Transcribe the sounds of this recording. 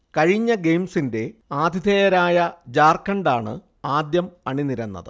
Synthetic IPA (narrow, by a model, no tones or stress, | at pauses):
kɐɻiɲːɐɡe̞jmsinde̞aːd̪ʱid̪ʱeːjɐɾaːjɐd͡ʑaːrkːɐɳɖaːɳɨ̰ | aːd̪jɐmɐɳiniɾɐnːɐ̰ðɨ